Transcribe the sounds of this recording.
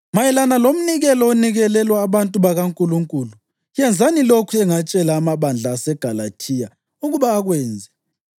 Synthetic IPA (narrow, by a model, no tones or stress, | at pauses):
majɛlanalom̩niɣɛlɔoniɣɛlɛlwaːβantʼuβaɣaŋkʼuluŋkʼuːlu | jɛnd͡zʱanilokʰuɛŋat͡ʃʼɛlaːmaβand͡ɮʱaːsɛɡ̥ʱalatʰija | uɣuβaːɣwɛːnd͡zʱɛ